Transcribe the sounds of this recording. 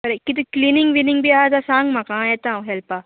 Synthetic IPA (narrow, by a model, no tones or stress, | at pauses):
pɐɾekit̪iklinɪ̃ŋɡʋinɪŋɡbʱiaːazasãːŋɡmakãet̪ãũɦɛlpa